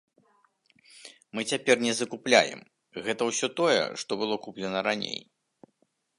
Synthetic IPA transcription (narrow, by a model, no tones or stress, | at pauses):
mɨt͡sʲapʲɛrnʲɛzɐkuplʲa̰jɛ̰m | ɣɛt̪ɐwsʲɔt̪ɔjɛ̰ʂt̪ɔbɨlˠɔkuplʲɛnɐɾanʲḛj